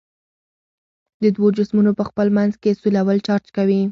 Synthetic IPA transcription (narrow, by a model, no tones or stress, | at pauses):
d̪əd̪wod͡ʒʊsmunopəxpəlmanzkesulawəlt͡ʃɑɾt͡ʃkawi